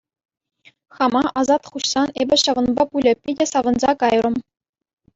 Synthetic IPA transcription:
χɑmɑʔɑzɑt̪χuɕsɑnebʲɘ̆ɕɑʋɤ̆nbɑpulʲɘ̆pʲidʲĕsɑʋɤ̆nzɑkɑjrɤ̆m

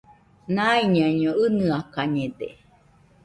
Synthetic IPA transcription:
naiɲaɲõɨnɨakaɲed̪ḛ

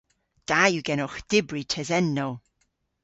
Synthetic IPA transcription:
d̥ajuɡɛnɔxd̥ɪbɹitʰɛzɛnːow

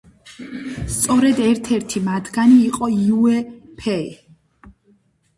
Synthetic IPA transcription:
st̪sʼɔɾɛd̪ɛɾt̪ʰɛɾt̪ʰimad̪ɡaniːqʼɔiuɛpʰɛḭ

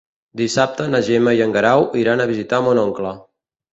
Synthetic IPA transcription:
d̪isap̚t̪ənəʒɛməijəŋɡəɾawʔiɾanəβ̞izit̪amonɔŋklə

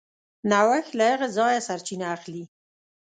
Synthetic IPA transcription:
nawaxlaaɣazɑjasaɾt͡ʃinaːxli

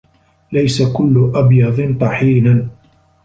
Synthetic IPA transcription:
lajsakʊlːʊʔabjɑðˤɨnt̪ˤɑħiːnan

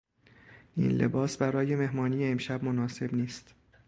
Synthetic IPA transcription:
ʔḭnlḛbɒːsbæɾɒːje̞me̞hmɒːnijeːmʃæbmonɒːse̞bniːst̪

